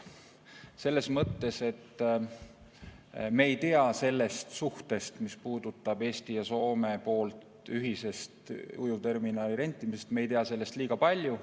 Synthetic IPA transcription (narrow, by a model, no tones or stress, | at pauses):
se̞lːe̞smɤt̪ːe̞se̞t̪ | me̞ːjt̪eɑse̞lːe̞st̪suht̪e̞st̪mispuːd̪̥ut̪ːˑɑb̥e̞ːsʲt̪ijɑso̞ːme̞po̞ːlt̪ | yɦise̞st̪ujut̪e̞rminɑːliɾe̞nt̪ːˑimisest̪mejt̪eɑse̞lːe̞st̪liːɡ̥ɑpɑlʲju